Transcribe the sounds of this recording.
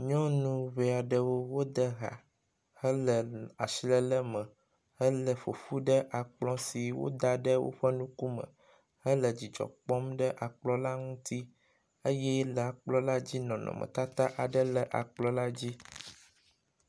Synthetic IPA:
ɲɔ̃˦nũ˦βe˨a˨ɖə˨wo˦wo˦d̪ə˦ɣa̰˨ | hə˦lə˨a˨si˦lə˦lə˦mə̃˨ | hə˦lə˨fo˨fu˦ɖə˦ʔa˨k͡plɔ̃˦si˨wo̰˦d̪a˨ɖə˦wo̰˦ɸə˦nũ˦ku˦mə̰̃˨ | hə˦lə˨d͡ʑi˨d͡ʒɔ̰˨k͡pɔ˦mɖə˦ʔa˨k͡plɔ˦la˦ŋũ˦t̪i˦ | ə˦jɛ˦lə˨a˨k͡plɔ˦la˦d͡ʑi˦nɔ̃˨nɔ̰̃˨mə̰̃˨t̪a˦t̪a˦ʔa˨ɖə˦lə˨ʔa̰˨k͡plɔ˦la˦d͡ʑi˦

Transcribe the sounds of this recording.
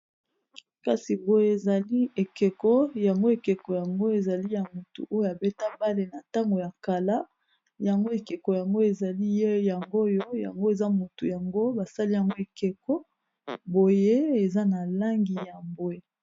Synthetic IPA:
ka˦si˨bo˨je˦e˨za˨li˦e˨ke˨kɔ˦ja˨ŋɡo˦e˨ke˨ko˨ja˨ŋɡo˦e˨za˨li˦ja˨mo˨tṵ˨ʔo˦jo˦a˨be˦ta˦ba˦le˨na˨ta˦ŋɡo˨ja˨ka˨la˦ | ja˨ŋɡo˦e˨ke˨ko˨ja˨ŋɡo˦e˨za˨li˦je˦ja˨ŋɡo˦jo˦ja̰˨ŋɡo˦e˨za˦mo˨tu˨ja˨ŋɡo˦ba˨sa˦li˦ja˨ŋɡo˦e˨ke˨kɔ˦ | bo˨je˦e˨za˦na˨la˦ŋɡi˨ja˨mbo˨e˦

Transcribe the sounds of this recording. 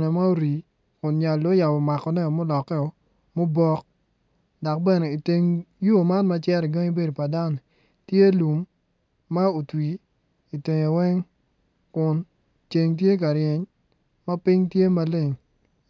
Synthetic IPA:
nɛ˨ma˦o˦ɾi˨ | kʊ˨nɲa˨lo˦ja˨bɔ˨ma˨kɔ˨nɛ˦ɔ˨mo˦lɔ˨kːɛ˦ɔ˨ | mo˦bɔ˦k̚ | dɔ˨k̚bɛ˦nɛ˨i˨te˨ŋjo˦˨ma˦nma˦t͡ʃɛ˦ɾi˨ɡa˦ɲi˦be˦do˨pa˨da˦n˨ | tje˦lu˨mː | a˦o˨twi˨ | i˨te˨ɲo˨wɛ˦ŋ | kʊ˨n | t͡ʃe˨ŋt̬je˦k̬a˨ɾje˨ɲ | ma˦pɪ˦ɲtje˦ma˦le˦ŋ

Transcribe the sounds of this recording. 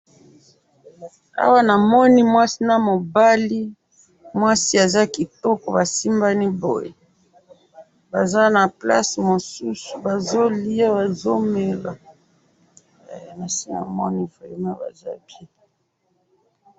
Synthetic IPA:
a̰˦wa˦na˨mɔ˦ni˦mwa˦si˦na˨mo˨ba˦li˦ | mwa˦si˦a˨za˦ki˨tɔ˦kɔ˨ba˨si˦mba˦ni˦bo̰˨je˨ | ba˨za˦na˨pla̰˦smo˨su˦su̥˨ba˨zo˦li˦a˦ba˨zo˦me˨la˨ | ma˨si˦na̰˨mɔ˦ni˦vo˨je˨ma˦ba̰˨za˦bje˦

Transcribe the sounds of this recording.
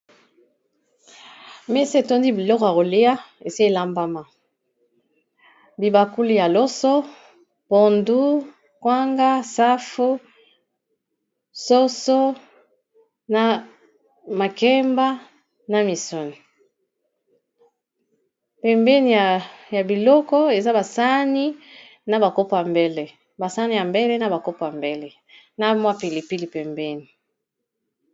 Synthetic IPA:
mɛ˦si˦e˨to˦ndi˦bi˨lɔ˦kɔ˨ja˨ko˨li˦a˦e˨si˦e˦˨la˦mba˦ma˨ | bi˨ba˨ku˦li˦˨ja˨lɔ˦sɔ˦ | po˨ndu˦ | kwa˦ŋɡa˦sa˦fu˦ | so˦so˦ | na˨ | ma˨kɛ˦mba˦ | na˨mi˨so˦ni˨ | pɛ˨mbɛ˦ni˨ja˨ja˨bi˨lɔ˦kɔ˦e˨za˦ba˨sa˦ni˦ | na˨ba˨ko˦pa˨mbɛ˦le˨ | ba˨sa˦ni˨ja˨mbe˦lɛ˦na˨ba˨ko˦po˨a˨mbɛ˦lɛ˨ | na˦mwa˦pi˨li˨pi˦li˨pɛ˨mbɛ˦ni˨

